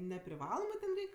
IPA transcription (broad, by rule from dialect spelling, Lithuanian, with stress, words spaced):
nʲɛpʲrʲɪˈʋɑːlˠoːmɜ tʲɛn ˈrʲɛɪkʲ